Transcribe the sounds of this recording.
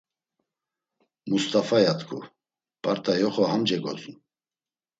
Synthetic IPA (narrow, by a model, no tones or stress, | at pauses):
must̪ʼafajat̪ʰkʰṵ | pʼaɾt̪ʼajɔχɔhamd͡ʒɛɡɔ̰t͡sʼun